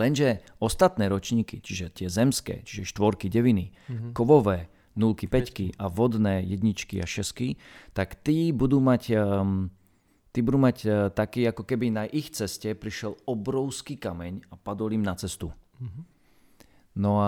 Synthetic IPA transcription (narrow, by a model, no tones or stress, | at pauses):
lɛnʒɛɔst̪at̪nɛːɾɔt͡ʃɲiːkḭt͡ʃiʒɛt̪ɪɛzɛmskɛ̰ːt͡ʃiʒɛʃt̪ʋɔɾkiɟɛʋinikɔʋɔʋɛː | nulkipɛckiʔaʋɔd̪nɛːjɛd̪ɲit͡ʃkia̰ʃɛskit̪akt̪iːbud̪uːmac | t̪iːbud̪uːmact̪akiːakɔkɛbinaʔixt͡sɛscɛpɾiʃɛlɔbɾɔʊskiːkamɛɲapad̪ɔlimnat͡sɛst̪u | nɔa